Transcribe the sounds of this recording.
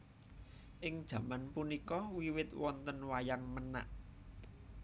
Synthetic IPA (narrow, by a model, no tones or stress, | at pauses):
ʔɪŋd̥ʒ̥ä̤manpunikɔwiwɪt̪wɔnt̪ənwajaŋməna̰ʔ